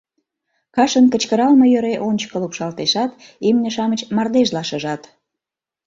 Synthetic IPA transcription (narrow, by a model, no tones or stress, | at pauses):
kɑʃənkət͡ɕkəɾɑlməjøɾeʔonʲt͡ɕə̥kəlupʃɑlt̪eʃɑt̪imnʲəʃɑmət͡ɕmɑrd̪eʒlɑʃəʒɑt̪